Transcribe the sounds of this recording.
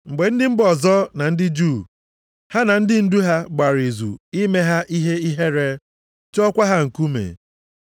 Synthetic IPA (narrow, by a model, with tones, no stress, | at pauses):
ŋ͡m̩˨ɡ͡be˨n̩˦dɪ˦m̩˦bɔ˨zɔ˦na˨n̩˦dɪ˦d͡ʒu˦˨ | ha˦na˨n̩˦dɪ˦n̩˦du˦ɦa˦ɡ͡ba˨ɾi˨zṵ˨i˦me˦ɦa˦ʔi˦ɦe˦i˦ɦe˦ɾe˦ | t͡ʃɔ˦kʷa˦ɦa˦ŋ̩˨ku˦mḛ˨